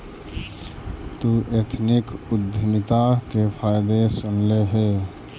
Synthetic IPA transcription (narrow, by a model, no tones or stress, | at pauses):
t̪uʔet̪ʰnɪkʊd̪ʱɪmɪt̪akepʰaːjd̪esʊnleɦeː